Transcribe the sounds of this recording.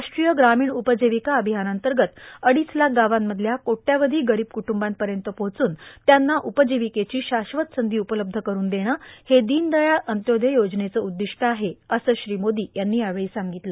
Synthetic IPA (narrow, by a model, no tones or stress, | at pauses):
aʂʈɾijəɡɾamiːɳupəd͡ʑeʋikaəbʱiɦanənt̪əɾɡət̪əɽiːslak̚ʰɡaʋamːəd̪ʱljakoʈːjaʋəd̪ʱiːɡəɾiːb̚kuʈumbanpəɾjənt̪əpot͡suːnt̪janːaʔupəd͡ʑeʋiket͡ɕiːɕaɕʋət̪sənd̪ʱiːupələb̚d̪ʱəkəɾuːnd̪eɽ̃əːhed̪iːnd̪əjaʔənt̪jod̪ʱejod͡znet͡səud̪ːiʂʈəaɦeəsəːɕɾimod̪iːjanːiːjaʋeɭiːsaŋɡit̪lə